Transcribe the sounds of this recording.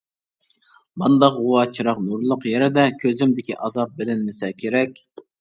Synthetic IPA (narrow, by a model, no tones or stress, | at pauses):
bɑnd̪ɑqʁuwɑːt͡ʃʰiɾɑqnuɾlˠʊqjeɾɪd̪ɛkʲʰøzɪmd̪ɪkʲiʔɑzɑp̚bɪlɪnːɪsɛkʲʰeɾɛkʲ